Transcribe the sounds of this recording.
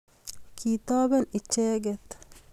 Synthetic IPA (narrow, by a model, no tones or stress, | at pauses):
kʰit̪aːbɛnit͡ʃːɛːɡɛt̪